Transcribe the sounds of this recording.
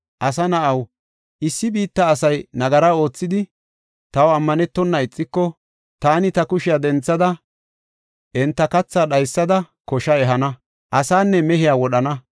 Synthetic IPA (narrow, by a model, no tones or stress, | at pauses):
ʔɐsɐnɐʔɐw | ʔɪsːɪbiːt̪ːɐːsɐjnɐɡɐɾɐo̞ːt͡sːɪd̪ɪ | t̪ɐwɐmːɐnɛt̪ːɔnːɐɪt͡sʼːɪkːɔ | t̪aːnɪt̪ɐkʊʃɪjaːd̪ɛnt͡sːɐd̪ɐ | ʔɛnt̪ːɐkɐt͡sːaːɗɐjsːɐd̪ɐ | kɔʃɐɛɦɐnɐ | ʔɐsaːnːɛmɛɦɪjaːwɔɗɐnɐ